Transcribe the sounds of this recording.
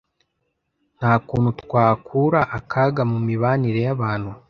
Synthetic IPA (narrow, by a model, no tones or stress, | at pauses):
n̥haːkuːn̤utkwaːkʰuɾaʔakʰaɡamumiβaːniɾe̞jaβaːn̥hu